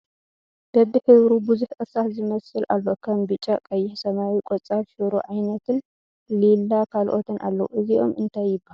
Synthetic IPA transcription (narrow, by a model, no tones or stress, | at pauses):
b̥ɐbiħɨβɾubuzuħʔɨsatzɨmɐsɨlʔa̰lːo̞kʰɐmbɨt͡ʃʼːakʼɐjːɪħsɐmawikʼot͡sʼaβʃɨɾuʕajnɐt̪ʰɨn | lilːakʰalʔo̞t̪ʰɨnʔa̰lːɐwuʔɨziʔo̞̰mʔɨnt̪ʰajːɪbːahaal